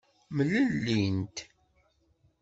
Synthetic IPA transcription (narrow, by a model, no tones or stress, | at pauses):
mələlːint̪